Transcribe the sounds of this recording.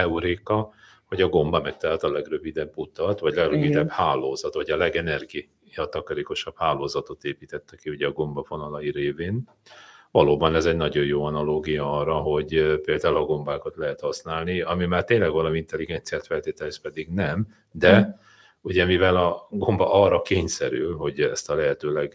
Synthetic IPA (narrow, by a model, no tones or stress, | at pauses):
ɛuɾeːkɒ | ho̞ɟɒɡo̞mbɒmɛk̚t̪ɛɦat̪ɒlɛɡrøvid̪ɛbːut̪ɒt̪vɒɟlɛɡrøvid̪ɛbhaːloːzɒt̪ʋɒɟɒlɛɡɛnɛrɡi | ɒt̪ɒkɒɾeːko̞ʃɒb̥haːloːzɒt̪o̞t̪eːpiːt̪ɛt̪ːɛkiuɟɛːɡo̞mbɒfo̞nɒlɒjiɾeːveːn | vɒloːbɒnɛzɛɟnɒɟo̞jjoːɒnɒloːɡijɒɒrːɒɦo̞ɟpeːld̪aːulɒɡo̞mbaːkɒt̪lɛɦɛt̪hɒsnaːlniɒmimaːrt̪eːɲlɛɡvɒlɒmiint̪ɛliɡɛnt̪sijaːt̪fɛlt̪eːt̪ɛlspɛd̪iɡnɛm | d̪ɛ | uɟɛmivɛlɒɡo̞mbɒʔɒrːɒkeːɲsɛɾylɦo̞ɟɛ̰st̪ɒlɛɦɛt̪øːlɛɡ